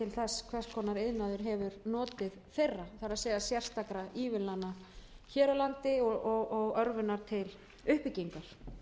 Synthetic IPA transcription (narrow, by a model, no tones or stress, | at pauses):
ɪlθɛskʰvɛr̥skʰɔːnaɾeðnaðʏɾ̥ɦɛvʏɾnɔːt̪ɪðθejrːaθaɾaðsɛːɣasjɛr̥st̪akɾaiːvɪnlanːa | çɛːɾalant̪ɪɔɣɔɣɔɣœɾvɪnaɾ̥t̪ʰɪl | ʏhpɪciŋkaɾ̥